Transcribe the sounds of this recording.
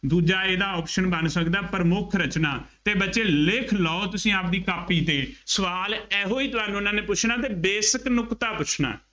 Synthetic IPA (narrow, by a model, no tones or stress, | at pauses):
d̪uːd͡ʒaːeːd̪aːɔːpʃənbənsəkd̪aːpəɾmʊkʰɾət͡ʃnaːt̪eːbətːʃeːlɪkʰlɔːot̪ʊsĩːaːp̚d̪iːkaːpiːt̪eːsəʋaːlɛːɦoːiːt̪ʊaːnũːʊnãːneːpʊt͡ʃʰnaːt̪eːbeːsəknʊkt̪aːpʊt͡ʃʰna̰ː